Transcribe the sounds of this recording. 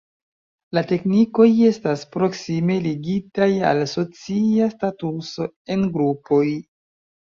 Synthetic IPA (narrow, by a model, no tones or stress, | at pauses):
late̞kniko̞je̞staspɾo̞ksime̞liɡitaja̰lso̞t͡siastatuso̞ | e̞nɡɾupo̞j